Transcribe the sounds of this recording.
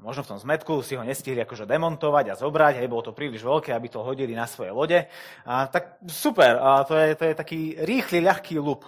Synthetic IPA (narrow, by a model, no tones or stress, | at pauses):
mɔʒnɔft̪ɔmzmɛt̪kusiɦɔɲɛsciɦliakɔʒɛd̪ɛmɔnt̪ɔʋaɟazɔbɾaɟɦɛjbɔlɔt̪ɔpɾiːliʒʋɛlkɛːabit̪ɔɦɔɟilinasʋɔjɛ̰jlɔɟɛ | at̪ak̚supɛɾt̪ɔjɛt̪ɔjɛt̪akiːɾiːxliʎaxkiːlup